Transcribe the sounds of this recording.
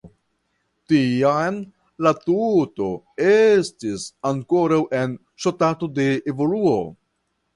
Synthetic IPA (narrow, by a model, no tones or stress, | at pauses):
tian | latuto̞ | estisaŋko̞ɾawʔe̞n | ʃotato̞de̞evo̞luo̞